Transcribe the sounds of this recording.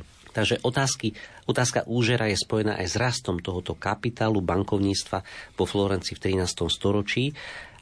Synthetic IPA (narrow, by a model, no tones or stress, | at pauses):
t̪aɡʒɛʔɔt̪aːskiɔt̪aːska̰ʔuːʒɛɾajɛspɔjɛna̰ːʔajzɾast̪ɔmt̪ɔɦɔt̪ɔkapit̪aːlubaŋkɔʊɲiːt͡st̪ʋaʋɔflɔɾɛnt͡sift̪ɾinaːst̪ɔmst̪ɔɾɔt͡ʃiː